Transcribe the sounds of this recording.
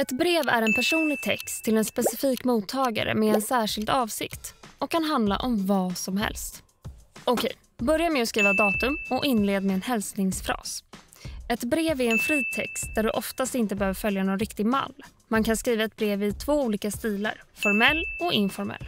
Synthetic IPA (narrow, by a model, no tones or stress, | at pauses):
ɛt̪bɾeːvæ̰ɾɛnpʰæʂuːnlɪɡ̚t̪ʰɛ̰kst̪ʰːɪlɛnspɛsɪfiːkmuːt̪ʰːɑːɡa̰ɾə̰mɛɛnsæːʂɪld̪ɑːvsɪ̰kt̪ɔkʰːanɦand̪la̰ʔɔmvɑːsɔmɦɛ̰lst̪ | ɔkʰɛj | bœɾjamɛɔskɾiːvad̪ɑːt̪ɵmɔʔɪnleːd̪mɛɛnhɛlsnɪŋsfɾɑ̰ːs | ɛt̪bɾeːvæɛnfɾiːt̪ʰɛ̰kst̪̚d̪æɖɵʔɔft̪ast̪ɪnt̪əbɛhøːvəɾfœljanɔnɾɪkt̪ɪɡma̰lː | mankʰanskɾiːvaɛt̪̚bɾeːvɪt̪ʰv̥oːuːliːkast̪iːla̰ɾfɔɾmɛlːɔɪnfɔɾmɛ̰lː